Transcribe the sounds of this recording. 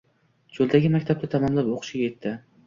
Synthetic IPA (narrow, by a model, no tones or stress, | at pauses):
d͡ʒolˠd̪aɡʲɪmakʲt̪ʰap̚t̪at̪ʰamamlapoqʰɨ̥ʃɪɡʲajet̪ʰːɪ